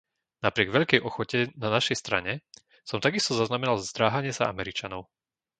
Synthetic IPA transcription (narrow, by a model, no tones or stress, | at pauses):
napɾɪɛɡʋɛʎkɛjʔɔxɔcɛnanaʃɛjst̪ɾa̰ɲɛ | sɔmt̪aɡist̪ɔzaznamɛnalzzd̪ɾaːɦaɲɪɛsaa̰mɛɾit͡ʃanɔʊ